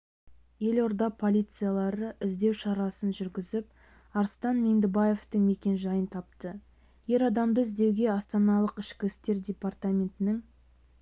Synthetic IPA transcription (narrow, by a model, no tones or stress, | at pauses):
je̞loɾd̪ɑpʰo̞lʲijt̪sɨjalˠɑɾəʔɪzd̪e̞wʃɑɾɑsənʒʏɾɡʲɪzɪp̚ | ɑɾst̪ɑnme̞nd̪ɪbaje̞ft̪əŋme̞kʲe̞nʒɑjənt̪ʰɑp̚t̪ə | je̞ɾɑd̪ɑmd̪əɪzd̪e̞wɡʲe̞ɑst̪ɑnɑlˠəqɪʃkʲɪɪst̪e̞ɾdʲepart̪amʲe̞nt̪ɪnɪŋ